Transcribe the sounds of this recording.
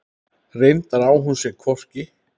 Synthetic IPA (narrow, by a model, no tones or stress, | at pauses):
rejnt̪aɾaːwɦunsjɛɣkʰvɔr̥cɪ